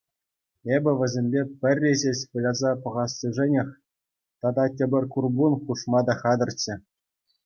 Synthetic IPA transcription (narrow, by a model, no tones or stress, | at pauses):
ebʲɘ̆ʋʲɘ̆zʲemʲbʲepʲɘ̆rʲːeʑeɕʲpulʲɑzɑpɤ̆ʁɑsːɤ̆ʐɘ̆nʲĕxʲ | t̪ɑd̪ɑtʲɘ̆bʲɘ̆rʲkurbunχuʂmɑd̪ɑχɑd̪ɤ̆rʲt͡ɕːɘ̆